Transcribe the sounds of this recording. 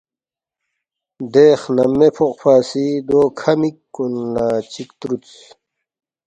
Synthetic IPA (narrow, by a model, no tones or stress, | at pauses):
d̪eːχnɐmːepʰoqpaːsid̪oːkʰɐmikːunːaːt͡ɕikt̪ɾut͡s